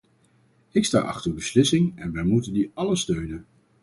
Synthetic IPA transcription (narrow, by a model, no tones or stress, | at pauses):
ɪksta̰ːʔɑ̰χtəɹbəslɪsɪŋɛnʋɛjmutəndiɑləstøɥnən